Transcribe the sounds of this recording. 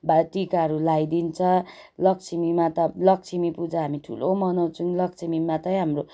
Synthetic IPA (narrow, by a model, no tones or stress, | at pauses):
baʈikaʌɾulajd̪int͡sʰʌlʌkt͡sʰimimat̪ʌlʌkt͡sʰimipud͡zaɦamiʈʰṵlomʌnʌwt͡sunlʌkt͡sʰimimat̪ʌj̃ɦamro